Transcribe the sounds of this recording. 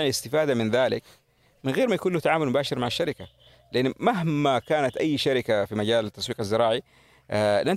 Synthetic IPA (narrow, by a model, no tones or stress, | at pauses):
ʕnɪst̪ɪfaːd̪amɪnðaːlɪk | mɪnɣeːɾmajakuːnluht̪aʕaːmʊlmʊbaːʃɪɾmaʕaʃːaɾɪka | lɪʔanːmaɦmakaːnat̪ʔajːʃaɾɪkafimaɟaːlat̪ːɑsˤwiːqazːɪɾˤɑːʕi | lʔan